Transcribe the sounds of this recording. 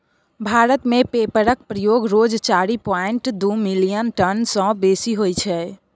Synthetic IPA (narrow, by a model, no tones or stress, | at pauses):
bʱaɾət̪mepepəɾək̚pɾəjoɡɾod͡ʒt͡ʃaɾipaeɳʈd̪umilijənʈənsə̃besiɦojt͡ʃʰɛ